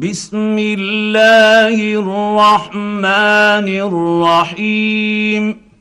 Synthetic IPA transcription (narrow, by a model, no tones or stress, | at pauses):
bɪsmɪlːaːhɪrrrːɑħmaːnɪrːɑħiːm